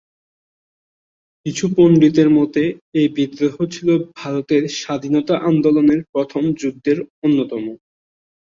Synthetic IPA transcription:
kit͡ɕʰuponɖit̪̬eɾmɔt̪eebid̪ɾoɦot͡ɕʰilobʱaɾot̪eɾʃad̪ʱinɔt̪aʔand̪oloneɾpɾɔt̪ʰomd͡ʑud̪ːeɾonːot̪ɔmo

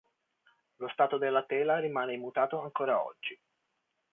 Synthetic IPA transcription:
lost̪aːt̪od̪elːat̪ɛːlarimaːnemːut̪aːt̪oaŋkoːɾaɔ̰d͡ʒːi

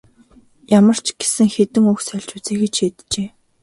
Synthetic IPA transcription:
jamə̆r̥t͡ɕʰɡ̥e̥sɘ̆ŋxet̪ɘ̆ŋuxsœɮʲt͡ɕut͡seːxĕt͡ɕʃeːt̪t͡ɕeː

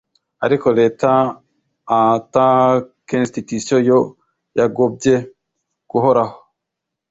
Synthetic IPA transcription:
aɾikoleːtaː | takenstitusiojo | jaɡob̚ɟe | ɡ̥uɦoɾaho̥

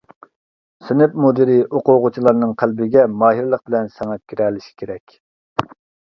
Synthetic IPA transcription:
synɪp̚mud̪ɪɾiʔoqʊʁʊt͡ʃʰilˠɑɾnɨŋqʰælbɪɡʲɛmɑːɦiɾlˠəq̚bɪlɛnsɛŋɛkʲiɾɛlɪʃi̥kʲʰeɾɛkʲ

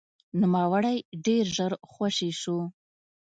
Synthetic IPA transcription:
nʊmawaɽajɖeɾʒəɾxwaʂeʃu

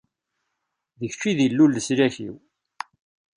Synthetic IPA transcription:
ðəçt͡ʃːiðilːulːəslæçḭw

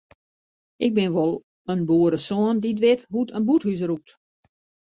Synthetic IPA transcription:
ʔɪɡ̚bɪnʋolˠ | ənbuːəɾəsɔəndidʋɪtɦutənbuthys̬ruk̚t

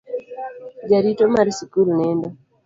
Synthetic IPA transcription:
d͡ʒaɾitɔmaɾisikulnɛnda

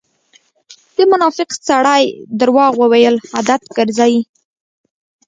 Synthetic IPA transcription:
d̪əmʊnɑfɪqsaɽajd̪aɾwɑɣwəwajəlhad̪at̪ɡəɾzɑji

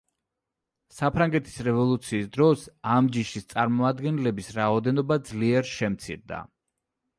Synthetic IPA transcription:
sapʰɾaŋɡɛt̪ʰi̥sɾɛvɔlˠut̪sʰiːsd̪ɾɔsamd͡ʒiʃist̪sʼaɾmɔmad̪ɡɛnlɛbisɾaɔd̪ɛnɔbad̪zliɛɾʃɛmt̪sʰḭɾd̪a̰

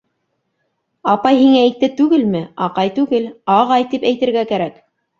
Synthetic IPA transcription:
ɑpɑjhiŋæik̚t̪ːɘt̪ʉɡɘlmɘɑqɑjt̪ʉɡɘlɑʁɑjt̪ipæjt̪ɘ̆ɾɡækæɾæk

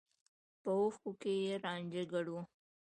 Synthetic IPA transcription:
pəoxkukejeɾɑnd͡ʒeɡaɽu

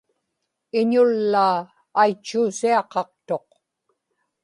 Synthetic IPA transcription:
ɪɲʊlːaː | jt͡ʃːuːsiɑqɑq̚t̪o̞q̚

